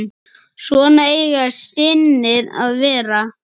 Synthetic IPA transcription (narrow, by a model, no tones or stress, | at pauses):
svɔːnaejɣasɪnːɪɾa̰ðvɛːɾa